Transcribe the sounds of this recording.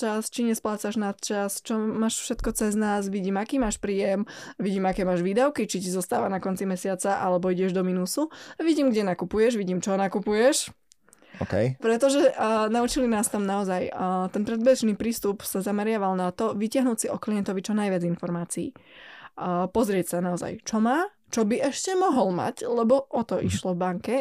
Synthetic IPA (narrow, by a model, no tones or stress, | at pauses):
t͡ʃast͡ʃiɲɛsplaːt͡saʒnat̪t͡ʃast͡ʃɔmaːʃfʃɛt̪kɔt͡sɛznaːzʋiɟiːmakiːmaːʃpɾiːjɛmʋiɟiːmakɛːmaːʒʋiːd̪aʊkit͡ʃicizɔst̪aːʋanakɔnt͡simɛsɪat͡saʔalɛbɔiɟɛʒd̪ɔminuːsuʋiɟiːmɡɟɛnakupujɛʒʋiɟiːmt͡ʃɔɔnakupujɛʃ | ɔ̰kɛ̰jpɾɛt̪ɔʒɛnaut͡ʃilinaːst̪amnaɔzajt̪ɛnpɾɛd̪bɛʒniːpɾiːst̪upsazamɛɾɪaʋalnat̪ɔʋicɪaɦnuːcsiʔɔklijɛnt̪ɔʋit͡ʃɔnajʋɪad͡zinfɔɾmaːt͡sḭː | pɔzɾɪɛcsanaɔza̰jt͡ʃɔmaː | t͡ʃɔbiʔɛʃcɛmɔɦɔlma̰clɛbɔʔɔt̪ɔʔiʃlɔvbaŋkɛ